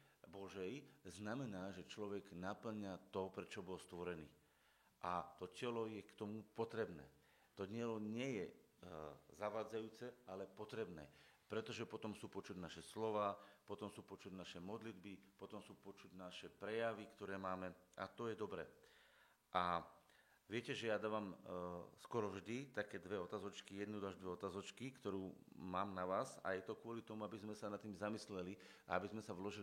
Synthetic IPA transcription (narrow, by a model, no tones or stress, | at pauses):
bɔʒɛjznamɛnaːʒɛt͡ʃlɔʋɛɡnapl̩ɲat̪ɔpɾɛt͡ʃɔbɔlst̪ʋɔɾɛnḭː | ʔat̪ɔcɛlɔjɛkt̪ɔmupɔt̪ɾɛbnɛ̰ː | t̪ɔɟɪɛlɔɲɪɛjɛ | zaʋaːd͡zajuːt͡sɛalɛpɔt̪ɾɛbnɛ̰ːpɾɛt̪ɔʒɛpɔt̪ɔmsuːpɔt͡ʃuɟnaʃɛslɔʋaːpɔt̪ɔmsuːpɔt͡ʃuɟnaʃɛmɔd̪lid̪bipɔt̪ɔmsuːpɔt͡ʃuɟnaʃɛpɾɛjaʋikt̪ɔɾɛːmaːmɛa̰t̪ɔjɛd̪ɔbɾɛ̰ː | ʔa | ʋɪɛcɛʒɛjad̪aːʋamskɔɾɔvʒd̪it̪akɛːd̪ʋɛɔt̪aːzɔt͡ʃkijɛd̪nud̪aːʒd̪ʋɛɔt̪aːzɔt͡ʃkikt̪ɔɾuːmaːmnaʋaːsa̰jɛt̪ɔkʊɔlit̪ɔmuabizmɛsanat̪ːiːmzamislɛli | a̰abizmɛsaʋlɔʒil